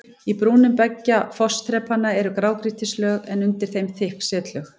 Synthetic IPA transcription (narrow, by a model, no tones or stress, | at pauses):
ipɾuːnʏmpɛcːafɔst̪ʰɾɛːpːanːaɛɾʏkɾaːwkɾiht̪ɪslœːɣɛnʏnt̪ɪɾ̥θejmθɪhksɛːt̪lœx